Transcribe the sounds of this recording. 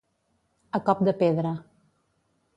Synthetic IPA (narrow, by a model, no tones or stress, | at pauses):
əkɔp̚d̪əpeðɾə